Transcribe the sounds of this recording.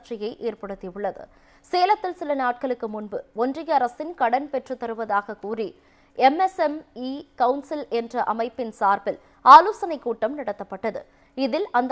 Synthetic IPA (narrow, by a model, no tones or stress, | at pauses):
ʈrɪjɐɪʔeːrpɐɽɯt̪ːiʊɭːɐðɯ̰ | seːlɐt̪ːɪlsɪlɐnaːʈ̚kɐɭɯkːɯmʊnbɯɔndrɪjɐɐɾɐsɪnkɐɽɐnpɛʈrɯt̪ːɐɾɯʋɐðaːɣɐkuːri | ɛmɛsɛmiːkɐwʊnsɪlɛndrɐʔɐmɐɪpːɪnsaːɾpɪl | aːloːsɐnɐɪkːuːʈːɐmnɐɽɐt̪ːɐpːɐʈːɐðɯ̰ | ɪðɪlɐnd̪